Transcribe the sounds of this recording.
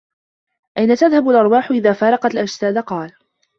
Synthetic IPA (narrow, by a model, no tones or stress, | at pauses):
ʔajnat̪aðhabalʔɑɾˤwaːħʊʔɪðaːfɑːɾˤɑqɑlʔad͡ʒsaːd̪qɑːl